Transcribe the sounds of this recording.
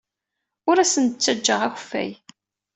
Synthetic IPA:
ʊɾæsənt͡sːæd͡ʒːəʁæçfæ̰j

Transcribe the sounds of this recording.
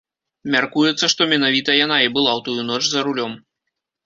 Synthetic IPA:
mʲarkujɛt̪sːɐʂt̪ɔmʲɛnavʲit̪ɐjan̪aibɨlˠawt̪ujunɔt͡ʂzɐɾulʲɔm

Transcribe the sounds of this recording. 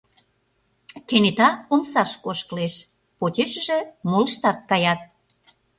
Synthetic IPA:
kenet̪ɑomsɑʃkoʃkəleʃ | pot͡ɕeʃə̆ʒĕmoləʃt̪ɑt̪̚kɑjɑt̪̚

